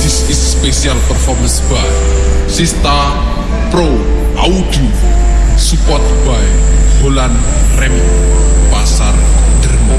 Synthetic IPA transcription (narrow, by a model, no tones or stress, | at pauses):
isisːpesialpərfɔrmənsb̥aesist̪a | pɾo | ʔaud̪̥u | supɔt̪̚bajholanrɛmpasar | ndərma